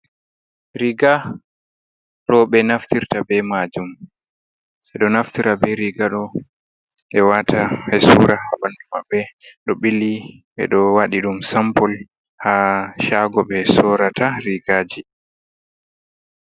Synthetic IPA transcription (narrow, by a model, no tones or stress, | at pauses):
ɾiɡa | ɗɔɓɛnaftiɾtabɛmad͡ʒum | sɛɗɔnaftiɾabɛɾiɡaɗɔ | ɓɛwatʰahɛsuɾahabanɗumabːɛɗɔɓilːiɓɛ̰ɗɔwaɗiɗumsampɔl | haʃaɡɔɓɛsɔɾataɾiɡaːd͡ʒi